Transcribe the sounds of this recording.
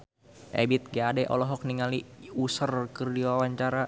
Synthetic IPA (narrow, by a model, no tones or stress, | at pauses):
ʔḛbɪt̪̚ɡaːdɛʔɔ̰lɔɦɔk̚niŋaliusərkərdiwawaɲt͡ʃaɾa